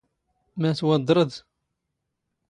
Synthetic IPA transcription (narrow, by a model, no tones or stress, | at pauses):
mæt̪wɑd̪ˤːɾˤəd̪